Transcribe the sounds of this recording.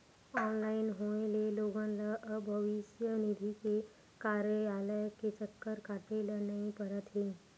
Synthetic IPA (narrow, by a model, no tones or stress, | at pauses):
ɔːnlaːɪnɦoːeleloːɡãləʔəbʱəʋɪʃjənɪd̪ʱike | kaːɾjəaːlajket͡ʃəkːəɾkaːʈelənɐɦĩpəɾət̪ɦeː